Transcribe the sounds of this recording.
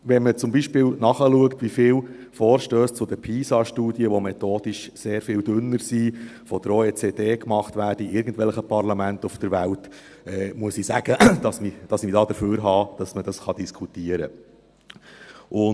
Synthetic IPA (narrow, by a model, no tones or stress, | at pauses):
ʋɛnmət͡sʊmbiʃpɪːlwnɑχəluəktʋifɪːl | fɔːɾʃtøːst͡sʊd̪əpʰiːsɑʃtuːdiəʋɔmɛt̪oːd̥iʃseːɾfɪːldʏnːəɾsiːfɔd̥̪əɾoet͡seːdeːkmɑχtʋæːrd̥əiʔɪɾɡən̩tvɛlχəpɑrlɑmæntʊfd̥əɾʋælt | ɛːmuəsisæɡ̥əd̥ɑsmid̥ɑsid̥ɑːd̥̪əføːɾɦɑːd̥ɑsməd̥ɑsχɑd̥̪iskʰutiəɾə | ʔʊ